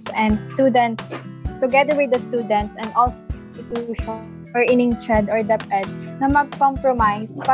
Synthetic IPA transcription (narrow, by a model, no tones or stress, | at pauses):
sɛ̃nd̪st̪ud̪ɛ̃nt̪st̪ʊɡɛd̪əɹwɪd̪ɐst̪uːd̪ɛ̃nt̪sɛ̃nd̪ɔlsɪnst̪ɪt̪juʃɔ | ʔɔɹɪnɪ̃ŋt̪ɹɛd̪ɔɹd̪ɛpɛd̪̚nɐmɐɡ̚kɔ̃mpɹɔmajsfa